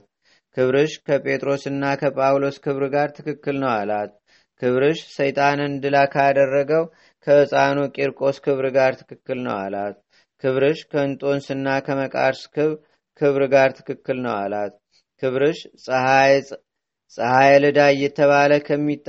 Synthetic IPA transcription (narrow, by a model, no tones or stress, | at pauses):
kʰɨβɾɨʃkʰəpʼʰe̞t̪ʼɾo̞sɨnːakʰəpʼawlo̞skʰɨβɾɨɡaɾt̪ʰɨkʰɨkːɨlnəwalat̪ | kʰɨβɾɨʃsəjt̪ʼanɨnd̪ɨlakʰəad̪ərːəɡəw | kʰəsʼanokʼeɾkʼo̞skʰɨβɾɨɡaɾt̪ʰɨ̥kɨkːɨlnə̰wa̰lat̪ | kʰɨβɾɨʃkʰəɨnt̪ʼo̞nsɨnːakʰəməkʼa̰ɾskɨβ | kʰɨβɾɨɡaɾt̪ʰɨ̥kɨkːɨlnə̰wa̰lat̪ | kʰɨβɾɨʃʼ | sʼəhajɛlɨd̪ajːɛt̪ʰːəβaləkʰəmːit̪ː